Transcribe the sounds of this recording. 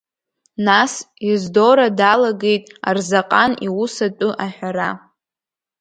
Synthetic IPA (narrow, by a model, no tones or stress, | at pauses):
nasizdoɾadalaɡe̞jtʼa̰rzaqʼaniwusatʷʼʊʔaħʷᶣaɾa